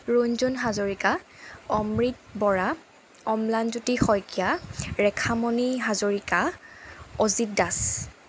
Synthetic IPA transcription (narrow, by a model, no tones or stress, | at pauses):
ɹoɲzunɦazoɹikaɔmɹit̚bɔɹa | ɔmlanzutixɔjkijaɹɛkʰamɔniɦazoɹika | ozit̚das